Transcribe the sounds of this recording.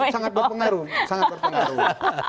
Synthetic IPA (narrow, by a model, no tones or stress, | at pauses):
saŋat̪̚bərpəŋaɾusaŋabərpəŋaɾu